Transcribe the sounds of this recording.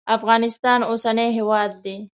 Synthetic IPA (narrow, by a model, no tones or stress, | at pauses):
afɣɑːnɪst̪ɑːnoːsaneɦewɑːd̪̚ːe